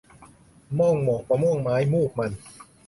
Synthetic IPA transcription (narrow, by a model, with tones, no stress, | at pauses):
mɔ˥˩ŋmɔː˨˩k̚ːa˧˩mɔ˥˩ŋmaː˦˥jmuː˥˩k̚ma˧˩n